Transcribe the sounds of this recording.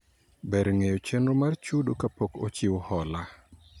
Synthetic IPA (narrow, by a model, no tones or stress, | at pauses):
bɛɾŋejot͡ʃenomart͡ʃudokapoko̰t͡ʃɪwhɔla